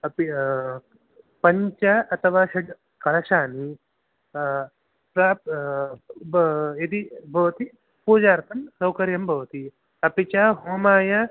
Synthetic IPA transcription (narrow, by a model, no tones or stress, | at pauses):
ɐpi | pɐɲt͡ʃɐɐt̪ʰɐʋaːʃɐɖ | kɐlɐʃaːni | pɾaːp | ed̪ibʱɐʋɐt̪i | puːd͡ʒaːɾt̪ʰɐmsɐwkɐɾjɐmbʱɐʋɐt̪i | ɐpit͡ʃaɦoːmaːjɐ